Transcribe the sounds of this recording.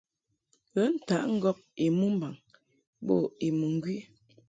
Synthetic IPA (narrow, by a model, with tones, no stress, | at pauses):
ɣə˦n̩˨ta˨˦ʔŋ̩˦ɡɔ˦p̚e˨mu˦m̩˦ba˨ŋ | ɓɔ̰˦˨e˨mu˨ŋ˦ɡɥi˦